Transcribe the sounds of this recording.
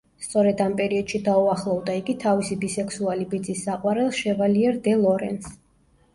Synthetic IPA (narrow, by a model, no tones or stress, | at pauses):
st̪sʼɔɾɛd̪ampʼɛɾiɔd̪̥ʃid̪auaχlˠɔvd̪aiɡit̪ʰavisibisɛkʰsualibid̪zʼisːaqʼwaɾɛlˠʃɛvaliɛɾd̪ɛlˠɔɾɛ̰ns